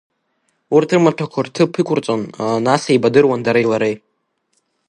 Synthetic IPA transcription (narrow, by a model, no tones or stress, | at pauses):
urtʰɨrmaʈ͡ʂʰakʷʰartʰɨpʰɨkʷʰʊrt͡sʼonanasaibadɨrwandaɾajlaɾej